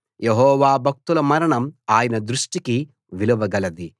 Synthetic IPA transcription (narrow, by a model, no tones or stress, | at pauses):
jeɦɔːʋaːbʱɐk̚t̪ulɐmɐɾɐɳɐmaːjɐnɐd̪ɾuʂʈiki | ʋiluʋɐɡɐlɐd̪i